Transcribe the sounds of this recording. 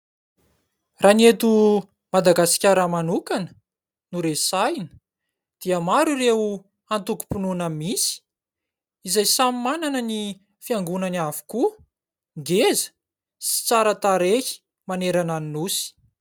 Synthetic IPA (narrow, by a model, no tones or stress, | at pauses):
ranet̪u | mad̪aɡasi̥kʲaɾəmanukanə̥ | nuɾesajnə | d̪̥iəmaɾureu | ant̪uku̥pununamisi̥ | izajsamimananəni | fiaŋɡunanavu̥ku | ɡezə̥ | si̥t͡saɾət̪aɾehi̥ | maneɾananinusi̥